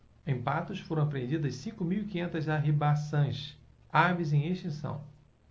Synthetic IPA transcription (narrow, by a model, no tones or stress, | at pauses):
ẽpat̪ʊsfoɾɐ̃apɾẽnd͡ʒid̪ɐssĩkʊmiwikĩɲẽnt̪ɐzaɦibasɐ̃j̃ʃ | avizẽj̃eʃt͡ʃĩsɐ̰̃w̃